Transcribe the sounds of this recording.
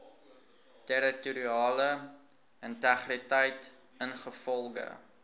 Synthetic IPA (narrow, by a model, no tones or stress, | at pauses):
tɛɾituɾiɑːlə | əntæχritəjt | ənχəfɔlˠɡə̰